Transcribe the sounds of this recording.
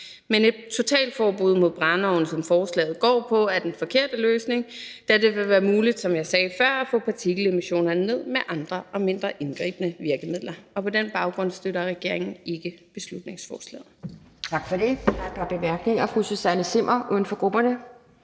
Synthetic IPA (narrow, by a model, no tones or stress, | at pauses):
mene̝d̥̚t͡sʰo̝t͡sʰɛ̰ːld̥fɒːb̥uðˠmo̝ðˠb̥ʁɑ̈nɒʊn̩sɒ̽mfɒːslɛ̰ːð̩ˠɡ̥ɒ̰ːpʰɒ̽æɐd̥enfɒ̽kʰe̝ɐ̰d̥əløːsne̝ŋd̥æɐd̥e̝ʋe̝ʋæːɐmuːlid̥sɒ̽mjɑ̈ɪsɛːfɶɐ̰æfɔ̰̽ːpʰɑ̈t͡sʰiɡ̥l̩e̝miɕo̝̰ːnɐne̝ð̰ˠmeʔɑ̈nd̥ʁɐɒ̽me̝n̰d̥ʁɐʔe̝nɡ̥ʁḭːb̥ənəʋiɐɡ̥əmið̰ˠlɐɒ̽pʰɒ̽denb̥ɑ̈ʊɡ̥ʁɔ̽n̰sd̥øɾɐʁɛɡ̥e̝ɐe̝ŋn̩e̝ɡ̥əb̥e̝slud̥ne̝ŋsfɒːslɛ̰ːð̩ˠ | t͡sʰɑ̈ɡ̥fɒd̥e̝d̥ɑ̈b̥emæɐɡ̥ne̝ŋɐfʁusosænəse̝m̰ʔɐʔun̩fɒ̽ɡ̥ʁub̥ɐnə